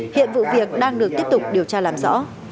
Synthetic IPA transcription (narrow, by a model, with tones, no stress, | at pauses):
hḭ˧˨ənvṵ˧˨vi˨˩ək̚ɗaː˧ŋɗɨ˨˩ək̚t̪əp̚t̪ʊ˨˩k͡p̚ɗi˨˩əwt͡ɕaː˧laː˨˩mzɔ̰˧˥